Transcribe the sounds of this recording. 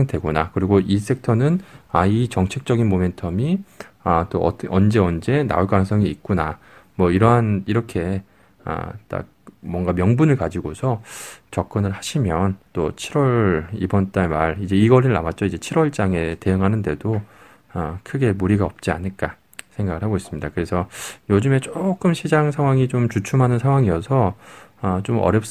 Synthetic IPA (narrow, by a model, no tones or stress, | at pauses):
ŋdwe̞ɡonakɯɾiɡoʔis͈ʰe̞k̚tʰʌnɯnait͡ɕʌŋt͡ɕʰe̞k̚t͡ɕ͈ʌɡinmome̞ntʰʌmiat͈o̰ʌnd͡ʑe̞ʌnd͡ʑe̞na̰oɭk͈anŋs͈ʰʌŋiːk̚k͈una | mwʌiɾʌɦaniɾʌkʰe̞ | a̰t͈a̰kmwʌŋɡamjʌŋbunɯɭkad͡ʑiɡosʰʌt͡ɕʌk̚k͈ʌnɯɭhaɕʰimjʌnt͈o̰t͡ɕʰiɾwʌibʌnt͈aemaɾid͡ʑe̞iɡʌɾiɭna̰mat̚t͡ɕ͈ʌid͡ʑe̞t͡ɕʰiɾwʌɭt͡ɕ͈aŋe̞te̞jɯŋɦanɯnde̞do | ʌkʰɯɡe̞muɾiɡaʌp̚t͡ɕ͈ia̰ɲɯɭk͈a | sʰe̞ŋɡaɡɯɭhaɡois͈ɯmɲidakɯɾe̞sʰʌjod͡ʑɯme̞t͡ɕ͈ok͈ɯmɕʰid͡ʑaŋsʰaŋwaŋit͡ɕomt͡ɕut͡ɕʰumɦanɯnsʰaŋwaŋijʌsʰʌʌt͡ɕomʌ̰ɾjʌp̚s͈